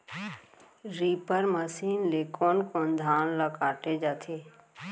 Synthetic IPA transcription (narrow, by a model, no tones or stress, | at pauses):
ɾiːpəɾməsiːnleːkoːnkõːnd̪ʱaːnləkaːʈed͡ʒat̪ʰeː